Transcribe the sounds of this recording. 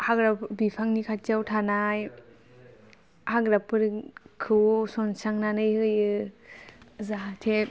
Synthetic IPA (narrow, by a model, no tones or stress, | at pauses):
haɡɾapbipʰaŋnikʰat͡ʃawtʰanaj | haɡɾapʰɯɾkʰɯsɔnsaŋnanɯjhɯjɯ | zaɦatʰe